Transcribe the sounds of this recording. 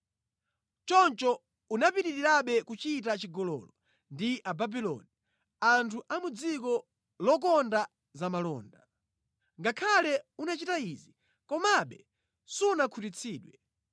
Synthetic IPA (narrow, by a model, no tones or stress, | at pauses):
t͡ʃɔnt͡ʃɔ | unapiɾiɾiɾaɓɛkut͡ʃit̬at͡ʃiɡɔlɔ̰lɔ | ndiʔababilɔ̰ni | antʰuʔamud͡zikɔ | lɔk̬ɔnda | zamalɔ̰ːnda | ŋɡakʰalɛunat͡ʃitaizi | kɔmaɓɛ | sunakʰutit͡sʰiːɗwɛ